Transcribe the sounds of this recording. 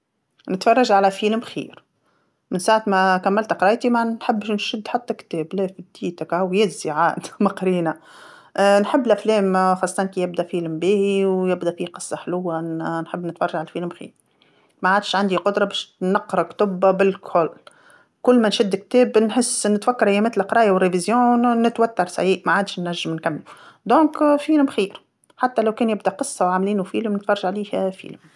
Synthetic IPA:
nɪt̪fɑrˤːɑʒʕalæfiːlmxḭːɾ | mɪnsaːʕat̪mækæmːælt̪qɾˤɑːjt̪imænħɪbːʃnʃɪd̪ːħat̪ːækt̪ɛːblɛːfib̚d̪̥iːt̪akhawjɛːziʕaːʔd̪mɑqɾiːna | nħɪbːɪlʔæflɛːmxɑsˤːɑt̪ɑnkijɪb̚d̪æfiːlmbiːhiwjɪbd̪æfiːqɨsˤːɑħlʊwːanħɪbːnɪt̪fɑɾˤrˤːɑʒʕalæfiːlmxḭːɾ | maʕaːd̪ʃʕand̪iqʊd̪ɾˤɑbɛːʃnɑqːɾˤɑkt̪ʊbːabɪlkʰol | kʊlːmænʃɪd̪ːɪk̚t̪ɛːbnħɪsːnɪt̪wækːɑɾˤʔɪjɛmæːt̪lʔqɾˤɑːjawrːevizjɔ̃ːnɪt̪wæt̪ːɑɾˤsa̰ʕiːʔmaʕaːd̪ʃnːæʒːɪmnkamːlud̪ɔ̃ːkfiːlɪmxiːɾ | ħat̪ːælæwkɛːnjɪbd̪æqɨsˤːɑwʕamliːnufiːlmnɪt̪fɑrˤːʒaʕliːhfḭːlm

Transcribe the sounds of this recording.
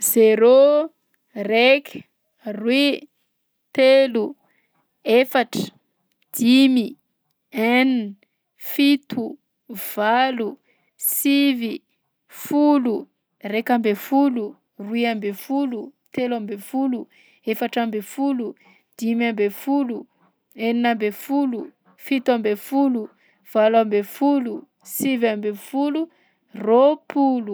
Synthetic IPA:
zeɾo | rek | rwi | t̪elu | efaʈ͡ʂə̥ | d̪̥imi | ɛn | fit̪ʰu | v̥alu | sivi | fulu | rekambefulu | ruiambefulut̪elambefulu | efaʈ͡ʂambefulu | d̪̥imambefulu | eninambefulu | fit̪uambefulu | v̥alwambefulu | sivambefulu | ropulu

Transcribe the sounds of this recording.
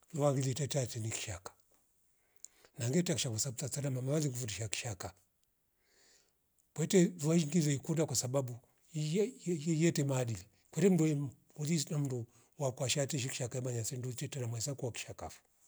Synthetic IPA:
luwaŋɡilitɛtatɛniki̥ʃakḁ | naŋɡɛtakiʃakusatat͡sanamamawaliŋɡufutiʃaki̥ʃaka | kwɛtɛvuaiŋɡizɛikudakwasaɓaɓu | jɛtɛmaːɗili | kwɛtɛm̩dui | ulisnam̩ndu | wakwaʃatɛʃ̬iki̥ʃakaimaɲasɛndutɛtɛnamwasakuwaki̥ʃaka̰fu̥

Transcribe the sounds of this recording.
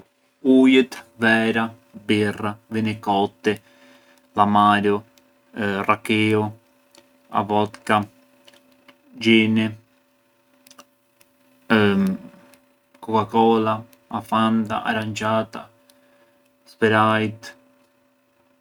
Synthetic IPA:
ujɪt̪vɛːɾa | birːavinekɔt̪ːe | lamaɾo | rakeːo | a̰vɔt̪ka | d͡ʒene | kokakɔla | afand̪a̰ʔa̰ɾand͡ʒaːt̪a̰ | speɾajt̪

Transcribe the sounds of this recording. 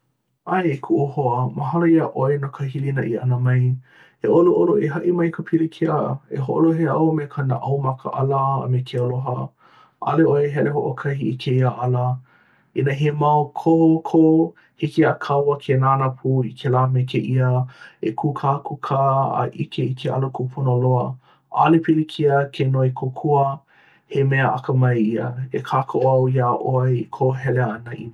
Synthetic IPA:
ajekʰuʔohoəməɦɐlɐiɐʔoenokʰəɦilinɐʔiɐnəmɐj | eʔoloʔoloeɦɐʔimɐjkʰəpʰiɾikʰeaeɦoʔo̰loɦeɐwmekʰɐnaʔɐwmɐkʰəʔɐlə̰ːmekʰeəloɦə | ʔɐ̰leoeɦɛleɦoʔokʰɐɦiʔikʰeiaʔɐlə | inəɦemɐokʰohokʰo | hikiakʰɐwɐkʰenaːnɐpʰuikʰelaːmekʰeʔiəekʰuːkʰaːkʰukʰaːɐ̰ʔikʰeikʰeʔɐ̰lokʰupʰunəloɐ | ʔɐ̰lepʰilikʰiəkʰenoekʰokʰuə | hemeɐʔɐkəmɐjiɐekʰaːkʰoʔoɐwjaːʔojkʰoɦɛleɐnɐʔi

